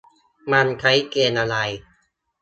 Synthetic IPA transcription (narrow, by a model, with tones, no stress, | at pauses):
ma˧nkʰa˦˥jkeː˧nʔa˧ɾa˧j